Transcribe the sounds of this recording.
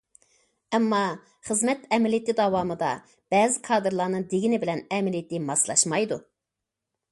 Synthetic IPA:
ɛmːɑ | χəzmɛt̪ɛmlijit̪ɪd̪ɑwɑːmɨd̪ɑ̰ | b̥ɛːzɪkʰɑːd̪ɨɾlˠɑɾnɨŋd̪eɡʲinɪbɪlɛnɛmɪljt̪ɪmɑslˠɑ̰ʃmɑjd̪u

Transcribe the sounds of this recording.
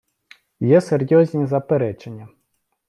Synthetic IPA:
jɛsɛrjɔzʲnʲizɐpɛɾɛt͡ʂenʲːɐ

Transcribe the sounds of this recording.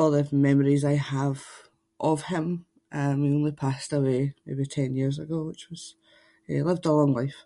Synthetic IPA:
ɔlˠðəmɛməɹizaɪəv̥ | ʔəv̥ɪ̃m | ʔəmwiõnlˠipʰastəwemḛbitʰɛ̃njiɹzəɡoːwɪt͡ʃwɔz̥ | jɛ̰ɪlˠɪvdəlɔ̃ŋlˠaɪf

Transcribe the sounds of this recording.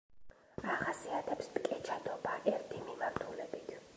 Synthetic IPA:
aχasiat̪ʰɛpspʼkʼɛt͡ʃʰad̪ɔbaʔɛɾt̪ʰimimaɾt̪ʰulɛbit̪ʰ

